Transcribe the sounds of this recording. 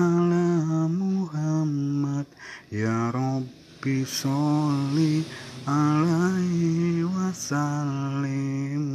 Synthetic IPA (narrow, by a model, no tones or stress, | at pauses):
alamuɦamat̪̚jaɾɔ | bisɔlialaiwasali